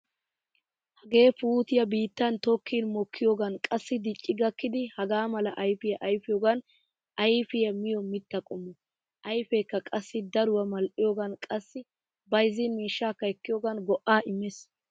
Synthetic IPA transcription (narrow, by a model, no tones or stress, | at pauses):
hɐɡe̞ːfuːt̪ɪjɐbiːt̪ːɐnt̪ɔkʰːiːnmɔkʰːɪjoːɡɐnkʼɐsːɪd̪ɪt͡ʃʼːɪɡɐkːɪd̪ɪhɐɡaːmɐlɐʔɐjfɪjɐʔɐjfɪjoːɡɐn | ʔɐjfɪjɐmɪjɔmɪt̪ːɐkʼɔmːɔ | ʔɐjfeːkːɐkʼɐsːɪd̪ɐɾʊwɐmɐlʔɪjoːɡɐnkʼɐsːɪ | bɐjzɪnmiːʃːaːkːɐɛkːɪjoːɡɐnɡɔʔːaːɪmːɛs